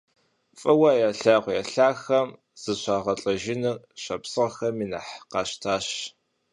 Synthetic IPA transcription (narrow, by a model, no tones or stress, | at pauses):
fʼɐwaːjaːɬaːqʷjaːɬaːxɐm | z̥ɨɕʷaːʁɐɬʼɐʒɪnɨr | ɕɐpsɨʁɐxɐmiːna̰ħqɑːʃtʰaːʃ